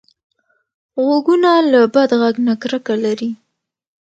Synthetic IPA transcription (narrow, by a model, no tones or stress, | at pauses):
ɣoɡunalabad̪ɣaɡnakɾəkalaɾi